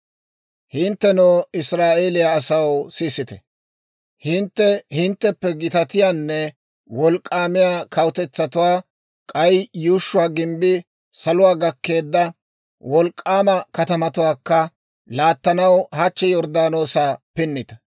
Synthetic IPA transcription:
hɪnt̪ːɛnoːɪsɾaːʔe̞ːlɪjaːsɐwsisɪt̪ɛ | hɪnt̪ːɛhɪnt̪ːɛpːɛɡɪt̪ɐt̪ɪjaːnːɛ | wɔlkʼːaːmɪjaːkʰɐwʊt̪ɛt͡sːɐt̪ʊwaː | kʼɐjjuːʃːʊwaːɡɪmbɪ | sɐlʊwaːɡɐkːe̞ːd̪ːɐ | wɔlkʼːaːmɐkɐt̪ɐmɐt̪ʊwaːkːɐ | laːt̪ːɐnɐwhɐt͡ʃːɛjɔɾd̪aːno̞ːsaːpɪnːɪt̪ɐ

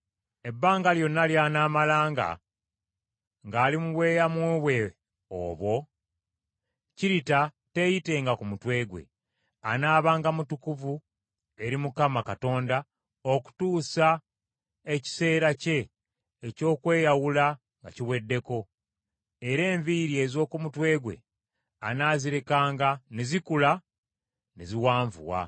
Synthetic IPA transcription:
e̞bːaːŋɡaljo̞nːaljanaːmalaːŋɡa̰ | ŋɡaːlimuβwe̞ːjamweːβwe̞ | o̰ːβwo̞ | ciɾita | te̞jite̞ŋɡakumutwe̞ːɡwe̞̰ | a̰naːβaːŋɡamutukuvu | e̞ɾimukamakato̞ːnda | oku̥tuːsa | e̞ci̥se̞ːɾace̞ː | co̞ːkwe̞ːjawula | ŋɡa̰ciwe̞dːe̞ko̞ | eɾe̞ːɱviɾie̞zo̞ːkumutwe̞ːɡwe̞̰ | anaːziɾe̞kaːŋɡanezikula | neziwaːɱvṵwa̰

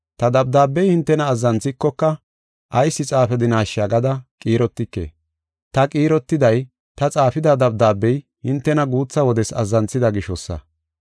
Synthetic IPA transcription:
t̪ɐd̪ɐb̚d̪aːbːɛjhɪnt̪ːɛnɐːzːɐnt͡sːɪkːɔkːɐ | ʔɐjsːɪt͡sʼaːfɛd̪ɪnaːʃɐɡɐd̪ɐkʼiːɾɔt̪ːɪkːe̞̰ː | t̪ɐkʼiːɾɔt̪ːɪd̪ɐj | t̪ɐt͡sʼaːfɪd̪ɐd̪ɐbd̪aːbːɛj | hɪnt̪ːɛnɐɡuːt͡sːɐwɔd̪ɛsɐ̰zːɐnt͡sːɪd̪ɐɡɪʃɔsːɐ̰

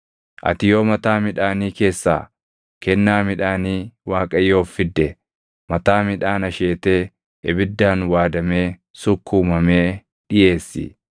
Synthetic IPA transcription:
ʔɐ̰t̪ɪjo̞ːmɐt̪aːmɪᶑaːniːke̞ːsːa̰ː | kɛnːaːmɪᶑaːniːwaːkʼɐjːo̞ːfːɪd̪ːɛ | mɐt̪aːmɪᶑaːnɐʃe̞ːt̪e̞ː | ʔɛbɪd̪ːaːnwaːd̪ɐme̞ː | sʊkːuːmɐmeː | ᶑɪje̞ːsːɪ̰

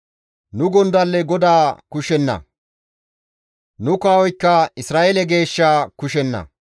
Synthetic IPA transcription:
nʊɡɔnd̪ɐlːɛɡɔd̪aːkʊʃɛnːɐ̰ | nʊkaːwɔjkːɐɪsɾaːʔeːlɛɡe̞ːʃːaːkʊʃɛnːɐ̰

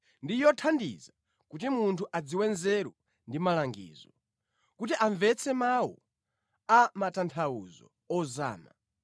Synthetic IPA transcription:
ndijɔtʰandḭza | kut̬imuntʰuʔad͡ziwɛnzɛɾu | ndimalaŋɡḭːzɔ | kut̬iʔaɱvɛt͡sʰɛmawɔ̰ | amatantʰawṵzɔ̰ | ɔza̰ːma̰

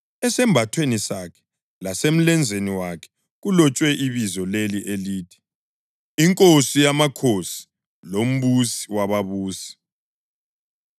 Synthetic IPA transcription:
ɛsɛmbʱatʰwenisakʰɛ̥ | lasem̩lɛnd͡zʱeniwakʰɛ̥ | ɣulɔt͡ʃʼwɛʔiβizɔleliʔeliːtʰi̥ | iŋkʼosijamakʰosi̥ | lom̩βusi̥waβaβuːsi̥

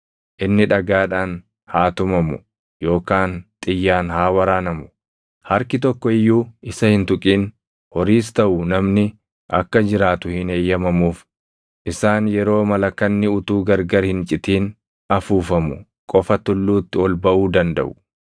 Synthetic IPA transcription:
ʔɪnːɪᶑɐɡaːᶑaːn | haːt̪ʊmɐmʊ | jo̞ːkaːnt̪ʼɪjːaːnhaːwɐɾaːnɐmʊ̥ | hɐɾkɪt̪̬ɔkːɔɪjːuːɪsɐhɪnt̪ʊkʼiːn | hɔɾiːs̬t̪ɐʔʊnɐmnɪ | ʔɐkːɐd͡ʒɪɾaːt̪ʊhɪneːjːɐmɐmuːf | ʔɪsaːnjɛɾo̞ːmɐlɐkːɐnːɪʊt̪uːɡɐɾɡɐɾhɪnt͡ʃʼɪt̪iːn | ɐfuːfɐmʊ | kʼɔfɐt̪ʊlːuːt̪ːɪɔlbɐʔuːd̪ɐnd̪ɐ̰ʔʊ

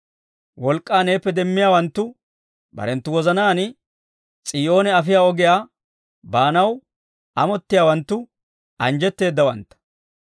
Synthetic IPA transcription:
wɔlkʼːaːne̞ːpːɛd̪ɛmːɪjaːwɐnt̪ːʊ | bɐ̰ɾɛnt̪ːʊwɔzɐnaːnɪ | t͡sʼiːo̞ːnɛɐfɪjaːɔɡɪjaː | baːnɐw | ʔɐmɔt̪ːɪjaːwɐnt̪ːʊ | ɐnd͡ʒɛt̪ːe̞ːd̪ːɐwɐnt̪ːɐ̥

